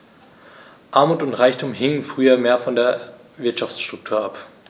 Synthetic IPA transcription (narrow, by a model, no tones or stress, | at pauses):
ʔaɐmuːtʊntʁaɪçtʰuːmɦɪŋənfʁ̥yːɐmeːɐfɔndeːɐ | vɪɐtʃaft͡sʃtʁ̥ʊk̚tʰuːɐʔap